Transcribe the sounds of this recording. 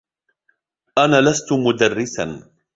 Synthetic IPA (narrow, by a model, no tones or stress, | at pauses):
ʔanaːlast̪ʊmʊd̪arːɪsan